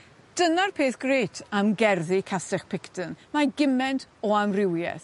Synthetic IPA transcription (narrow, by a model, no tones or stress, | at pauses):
d̥ənarpʰeːθɡ̥reːtʰamɡɛrðikʰasɛχpʰɪktʰənmaɡɪmɛntʰɔamrɪwjɛ̰θ